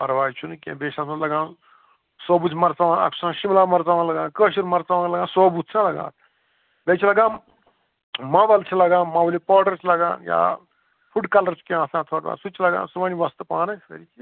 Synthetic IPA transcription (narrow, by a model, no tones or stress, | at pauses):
ɐɾʋaːjt͡ʃʰunɨkʲḛ̃ːbeːʃasɐ̃lɐɡãːn | soːbut͡sʲmɐɾt͡saʋãːnɐ̰kʰsãːʃimlaːmɐɾt͡saʋãːlɐɡãːnkəːʃiɾmɐɾt͡saʋãːŋlɐɡãːsoːbut̪̚t͡sʰãlɐɡa̰ːt̪̚ | bet͡ʃʰilɐɡãː | mɐʋɐlt͡ʃʰilɐɡãːnmaʋɐlipoːʈɐɾt͡ʃʰlɐɡã̰ːnja̰ː | fuɖkɐlɐɾt͡ʃkẽasãːt̪ʰoːʈʋa̰ːsut͡ʃʰilɐɡa̰ːnsuʋaniʋɐst̪ɨpaːnɐɐ̰ɾit͡ʃʰi